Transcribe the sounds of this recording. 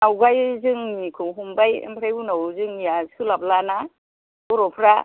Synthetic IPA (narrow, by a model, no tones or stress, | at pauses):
nawɡajzɯŋnikʰɯwɦumbajḛmbʰɾajunawzɯŋnijasɯlablana | ɔɾɔpʰɾa